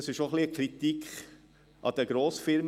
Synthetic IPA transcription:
sɪʃoχliəkχɾit̪ikχ | ʔɑ̰d̪ɛɡɾoːsfɪɾm

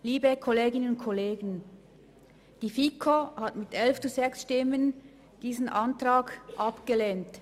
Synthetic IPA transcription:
liːbəkʰɔleːɡɪnənʊnt̚kʰɔleːɡən̩ | d̥iːfikʰohatmɪtɛlft͡suzɛksʃtɪmən | d̥iːzən̩ʔɑntraːɡʔɑpɡ̥əleːnt

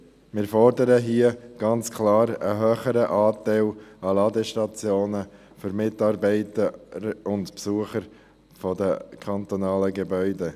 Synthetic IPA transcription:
mɪːɾfɔɾdəɾəɦiəɡ̥ɑnt͡skʰlɑːɾə̰ɦøːχəɾəʔɑːtæɪlɑlɑːdəʃtɑt͡sjoːnə | fʏɾmɪtɑːɾbɛɪtəɾʊntpsuəχəɾ | fɔdəkʰɑntonɑːləɡebœʏde

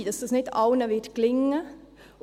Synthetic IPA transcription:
d̥̪ɑsd̥ɑsnɪt̪ʰɑʊnəʋɪtklɪŋːə

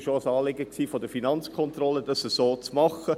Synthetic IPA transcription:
ʃoəsɑːlɪɡəksiːfodəfinɑnt͡skʰɔnt̪rɔləd̥ɑsəsoːt͡smɑχə

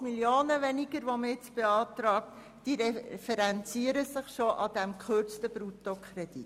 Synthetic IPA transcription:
miljoːnəʋɛniɡəɾʋoməɪt͡sb̥eɑːt̪ɾɑːk̚t | d̥iɾɛfɛɾɛnt͡siəɾəsɪχʃoʔɑdæmkχørt͡stəb̥ɾutokʰχred̥it

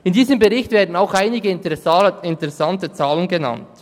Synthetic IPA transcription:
ɪndiːzəmbəʁɪçtvɛːɐdn̩aʊxaɪnɪɡəɪntəʁɛɪntəʁɛsɑntət͡saːlənɡəna̰nt

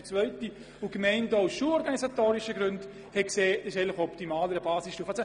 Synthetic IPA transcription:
ət͡svœʏti | ʊkmɛɪntaʊsʃuɔɾɡɑnisatoːɾiʃəɡɾʏnt | hɛkseːɪʃɛɪnlɪχɔptimaːləɾəbaːsistuːfasə

